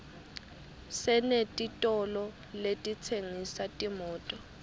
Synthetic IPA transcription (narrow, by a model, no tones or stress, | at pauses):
sɛnetʼitʼɔlɔ | letʼit͡sʰeŋisatʼimɔːtʼɔ